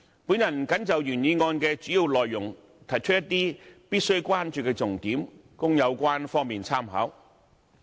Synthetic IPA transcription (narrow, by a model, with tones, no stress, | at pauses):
puː˨˥njɐ˨˩nkɐ˨˥nt͡sɐ˨wjyː˨˩njiː˨˧ŋɔː˧nkɛː˧t͡ʃyː˨˥jiː˨˧wlɔː˨jːʊ˨˩ŋ | t̪ʰɐ˨˩jt͡ʃʰɵ˥jɐ˥t̪ːiː˥piː˥t̚sɵ˥ɥkʷwaː˥nt͡ʃyː˨kɛː˧t͡sʊ˨˩ŋt̪iː˨˥m | kʊ˥ŋjɐ˨˧wkʷaː˥nfɔː˥ŋmiː˨nt͡sʰaː˥mɦɐ̰ː˨˥w